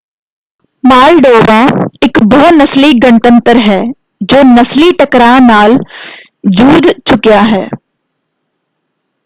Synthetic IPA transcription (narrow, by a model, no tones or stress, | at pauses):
maːlɖoːʋaɪkbɔɦnɐsliɡəɳt̪ə̃nt̪əɾɦɛː | d͡ʒoːnɐsliʈəkɾanaːl | d͡ʒuːd̪t͡ʃʊkjaɦɛː